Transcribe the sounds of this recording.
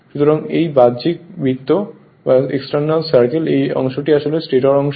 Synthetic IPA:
ʃut̪oɾaŋejbad̪d͡ʑik̚bʱit̪ːo | aḛksʈaɾnalsaɾkelejɔ̰ŋʃoʈiaʃolesʈeʈaɾɔŋʃ

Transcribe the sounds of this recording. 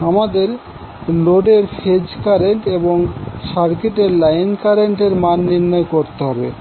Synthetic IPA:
amad̪eɾ | loɖeɾfʰed͡ʑkaɾeɳʈeboŋʃaɾkeʈeɾlajnkaɾeɳʈeɾmanːiɾnɔekoɾt̪eɦɔbḛ

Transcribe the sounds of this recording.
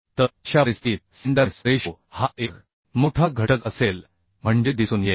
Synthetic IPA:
t̪əɕaɾist̪iːt̪̚sind̪asɾeɕo | haʔek | moʈʰaɡʱəʈəkəsel | m̤əɳd͡ʑed̪isuːnje

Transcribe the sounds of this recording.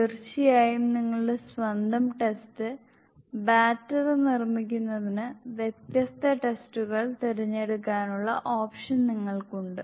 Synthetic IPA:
irɕijaːjumniŋːɐɭesʋɐnd̪ʱɐmʈe̞stɨ | baːtːɐrɨnirmikʲːunːɐðinɨʋjet̪jɐst̪ʰɐʈe̞stuɣɐɭt̪iɾiɲːe̞ɽukːaːnuɭːɐ̰ʔoːpʂɐnniŋːɐɭkuɳɖɨ

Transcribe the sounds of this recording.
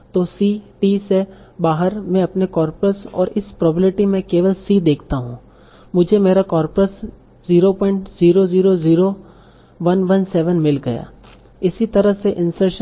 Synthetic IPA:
t̪oːsiʈisebaːɦəɾmɛ̃ɐpnekɔːɾpɾəsɔ̰ːɾɪspɾɔːbɪʈimẽkeːʋəlsid̪eːkʰt̪aɦũː | mʊd͡ʒʱemeːɾakɔːɾpɾəs | ziːɾopɔ̃ːɪ̃ɳʈziːɾoziːɾoziːɾo | ʋɐnʋɐnsɛːʋənmɪlɡɐja̰ː | ɪsit̪ɐɾəɦseʔɪ̃nsəɾʃə

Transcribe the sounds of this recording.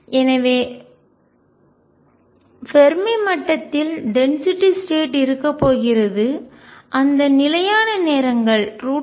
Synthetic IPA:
ʔɛnɐʋeː | fɛɾmɐɪmɐʈːɐt̪ːɪlɖɛnsɪʈːɪsʈeːʈɪɾɯkːɐpːoːɣɪrɐðɯ | ʔɐnd̪ɐnɪlɐjaːnɐneːɾɐŋɡɐɭɾuː

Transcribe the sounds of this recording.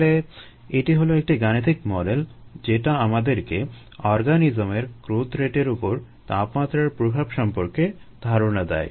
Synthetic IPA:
le | eʈiɦoloek̚ʈiɡanit̪ʰikmɔɖel | d͡ʑeʈaamad̪eɾke | ɔɾɡanid͡ʑomeɾkɾot̪ɾeʈeɾupoɾ | t̪apmat̪ːɾaɾpɾobʱabʃɔmpoɾked̪ʱaɾonad̪ɛ̰j

